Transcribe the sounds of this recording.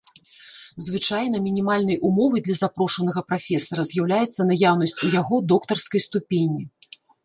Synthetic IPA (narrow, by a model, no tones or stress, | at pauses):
zvɨt͡ʂajnɐmʲinʲimalʲnɐjʔumɔvɐjd̪lʲɐzapɾɔʂɐnɐɣɐpɾafʲɛsɐɾɐzʲjawlʲajɛt̪sːɐnajawnɐsʲt͡sʲujaɣɔd̪ɔkt̪ɐrskɐjst̪upʲenʲːi